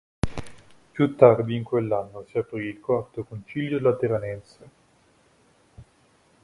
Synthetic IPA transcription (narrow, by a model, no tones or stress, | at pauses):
pjut̪ːard̪iːŋkwelːanːosiapɾiːlkoat̪okont͡ʃiljolat̪eɾanɛnse